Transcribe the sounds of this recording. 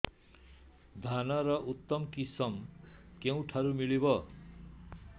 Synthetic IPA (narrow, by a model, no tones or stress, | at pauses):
d̪ʱanʌɾʌʔut̪ːʌmkisʌmkew̃ʈʰaɾumilibʌ